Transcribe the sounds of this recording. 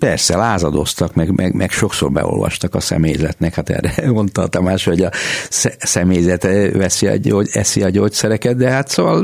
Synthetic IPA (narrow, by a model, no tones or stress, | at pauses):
pɛrsɛlaːzɒd̪o̞st̪ɒkmɛɡmʔɛɡmʔɛkʃo̞ksoːrbɛ̰o̰lʋɒ̰ʃt̪ɒkɒsɛ̰meːjzɛt̪nɛkhat̪ɛ̰ːrɛɡo̞nt̪ɒlt̪ɒmaːʃho̞ɟɒsɛsɛmeːjzɛt̪ʋɛsiɒ̰oːɛsiɒɟoːt̪sɛɾɛkɛd̪̚d̪ɛɦat̪soːʋɒl